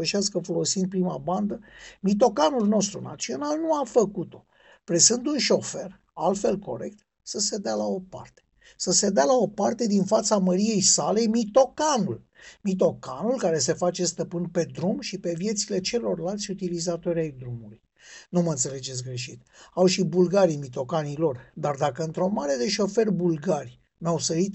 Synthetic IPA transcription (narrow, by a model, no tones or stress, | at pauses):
əʃaskəfo̞lo̞sind̪̚pɾimaband̪əmit̪o̞kanulno̞st̪ɾuna̰t̪sio̞nalnuafəkut̪o̞ | pɾesɨnd̪unʃo̞fe̞r | alt̪fe̞lko̞̰ɾe̞̰k̚t̪ | səse̞d̪ealao̞pa̰rt̪e̥ | səse̞d̪ealao̞part̪e̞d̪infat̪saməɾije̞jsale̞mit̪o̞kanul | mit̪o̞kanulkaɾe̞s̬e̞fat͡ʃe̞st̪əpɨnpe̞d̪ɾumʃipe̞vje̞t̪sile̞t͡ʃe̞lo̞rlalt̪sʲut̪ilizat̪o̞ɾʲajd̪ɾumuluj | numəɨnt̪se̞le̞d͡ʒe̞t̪sʲɡɾe̞ʃit̪ | awʃibulɡaɾimit̪o̞kanilo̞rd̪ard̪akəɨnt̪ɾo̞maɾed̪e̞ʃo̞fe̞rbulɡarʲ | nuawsəɾit̪